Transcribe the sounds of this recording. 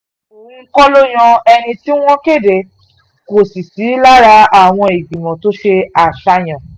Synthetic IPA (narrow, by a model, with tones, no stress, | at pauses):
kɔ˦lo˦j̃ɔ̃˧ɛ˧nĩ˧ti˦w̃ɔ̃˦ke˦˨de˨ | ko˨si˨si˨˦la˦ɾa˧a˨w̃ɔ̃˧e˨ɡ͡bĩ˨mɔ̃˨to˦ʃe˧a˨ʃa˧j̃ã˨